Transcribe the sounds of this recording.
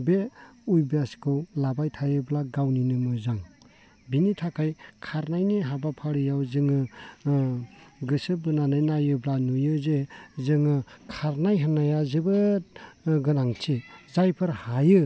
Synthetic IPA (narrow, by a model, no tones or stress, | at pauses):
beujbeaskʰɯwlabajtʰajɯblaɡawninɯmɯzaŋ | binitʰakʰajkʰaɾnajniɦabapʰaɾɯjawzɯŋɯ | ɡɯsɯbɯnanɯjnajɯblanujɯzezɯŋɯkʰaɾnajɦanajazɯbɯ | ɡɯnaŋtʰizajpʰɯɾhajɯ